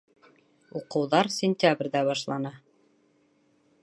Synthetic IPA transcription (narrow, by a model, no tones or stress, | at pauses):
uqɤ̆wðɑɾsʲɪnʲt̪ʲabrʲd̪æβɑʃlˠɑnɑ